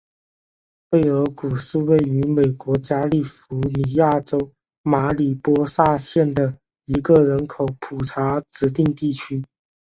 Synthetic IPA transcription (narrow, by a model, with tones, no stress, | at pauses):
fe˥˩ɪə˧˥ku˨˩ʂɻ̩˥˧we˥˩ɪy˧˥me˨˩ɪkwɔ˧˥t͡ɕja˥li˥˩fu˧˥ni˧˥ja˥˩ʈ͡ʂo˥ʊ | ma˧˥li˨˩pwɔ˥sa˥˧ɕjɛ˥˩nd̪ə˩ | i˧˥ɡə˧˨ɻə˧˥nkʰo˨˩˦ʊpʰu˨˩ʈ͡ʂʰa˧˥ʈ͡ʂɻ̩˧˥t̪i˥˧ŋt̪i˥˩t͡ɕʰy˥